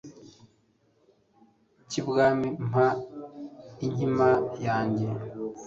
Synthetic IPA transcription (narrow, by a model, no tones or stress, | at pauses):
cibɡaːmim̥a | iɲimajaːɲɟe̞